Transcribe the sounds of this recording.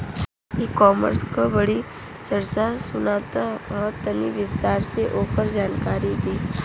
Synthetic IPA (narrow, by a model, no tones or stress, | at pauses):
ikɔːmə̰ɾskobəɽi | t͡ʃəɽt͡ʃasʊnaːt̪aɔːt̪əniʋɪst̪aːɾseʔoːkəɾd͡ʒaːnkaːɾid̪iː